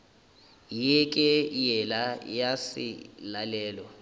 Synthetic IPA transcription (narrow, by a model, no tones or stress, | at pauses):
jɛkʼɛjɛlajasḭlalɛːlwa